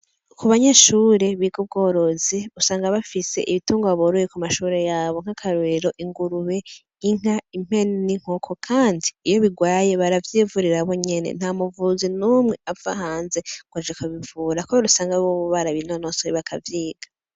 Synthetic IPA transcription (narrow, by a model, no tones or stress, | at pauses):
kuβaɲaʃuːɾe̞βiɡub̚ɡo̞ːɾo̞ziusaːŋɡaβafise̞̰ʔiβituːŋɡoβaβoɾojekumaʃuːɾe̞jaːβo̞ŋ̥hakʰaɾueɾo̞ʔiŋɡuɾuβe̞ | iŋ̥aim̥he̞nniŋ̥hokʰo̞kʰaːndiːjo̞βiɡwaːje̞βaɾavjiːvuɾiɾaβo̞ɲe̞nḛn̥hamuvuzinuːmŋe̞avaɦaːnze̞ɡ̥wad͡ʒakuβivuːɾakuβaɾusaːŋɡaβoβuβaɾaβinonosoiβakʰa̰vjiːɡ̥ḁ